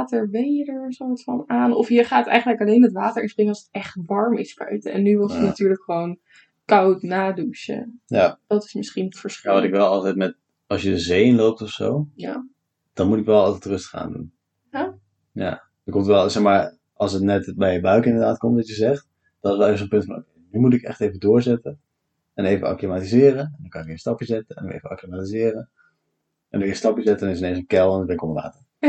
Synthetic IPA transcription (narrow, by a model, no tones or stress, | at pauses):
təɹʋejjədəɹsoɑtfɑnaːnɔfɦiəɹχaːtɛ̰jχənləkɑlejnətʋaːtəɹʔɪ̃nsprɪŋəɑsətɛχtʋɑɹmɪsbœ̰ɥtəɛ̰nːyʋɪlˠənatyːɹləkχəʋown | kɑwtnaːduʃə̰jad̥ɑtɪ̥smɪsχinətfəɹstɪkʋɛlˠɑlˠtɛjtmɛt | ɑlˠsjədəzejnlowp̚tɔfso̰wja | d̥ɑnmutɪkʋɛlˠɑlˠtɛjtrɵstə̥χa̰ːndṵn | ja̰ | d̥əkɔmtʋɛlˠsɛχmaːɹ | ɑlˠsətnɛtbɛjəbœɥkɪndəɹdaːtkɔmtʋɑtjəzɛχt | d̥ɔtɪsʋɛlˠevəsənpɵntfɔnʔo̰wkejnymut̬ɪkɛ̰χtejvədʊːɹzɛtən | ɛnejvəa̰klimaːtizɪːɾənɛndɔnkɑnɪkiəstɑpjəzɛtənɛ̰ndɔ̰ḛjvəa̰klimaːtizɪːrə | ɛndjəstɑpjəzɛtənɪsəejnsənkɛlˠɛnɪɡbɛnɪkɔməʋa̰ːtəɹ